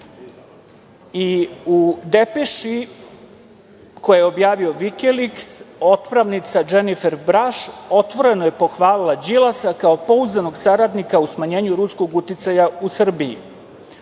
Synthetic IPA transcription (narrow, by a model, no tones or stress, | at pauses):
iud̪epeʃi | ko̞jjeo̞bjaːʋio̞ʋikelikso̞t̪pɾaʋnit̪sad͡ʒenife̞ɾbɾaʃo̞t̪ʋo̞ɾe̞nojepo̞xʋaːlilad͡ʑilˠasakao̞po̞uznano̞ɡsaɾad̪nikausmaɲe̞ːɲuɾusko̞ɡut̪it̪sajausr̩biḭ